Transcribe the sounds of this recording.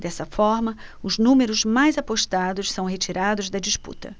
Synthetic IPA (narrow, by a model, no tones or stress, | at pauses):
d̪ɛsɐfɔɾmɐ | ʊznũmeɾʊzmajzapoʃt̪ad̪ʊʃsɐ̃w̃ɦet͡ʃiɾad̪ʊzd̪ɐd͡ʒispṵt̪ɐ̰